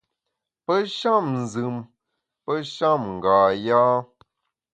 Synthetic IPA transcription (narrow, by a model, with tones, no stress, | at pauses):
pə˦ʃa˦˨mn̩˨zɨ˨m | pə˦ʃa˦˨mŋ̩˨ɡaː˨jaː˦